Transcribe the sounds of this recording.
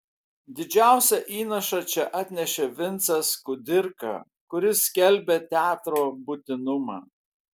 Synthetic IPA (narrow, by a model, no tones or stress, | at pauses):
d̪ʲɪd͡ʒʲæˑʊsʲɛʔiːnɐʃɑt͡ʃʲɛʔɑt̪ʲnʲɛʃʲeːʋʲɪnt̪sɐskʊd̪ʲɪɾkɑ̰ | kʊɾʲɪsʲkʲɛlʲbʲet̪ʲæːt̪ɾoːbʊt̪ʲɪnʊmɑ̰ː